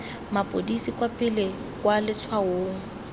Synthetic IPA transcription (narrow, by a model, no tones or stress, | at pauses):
mapʼodisikʼwapʼɪlɛ | kʼwalɪt͡sʰwaoːŋ̩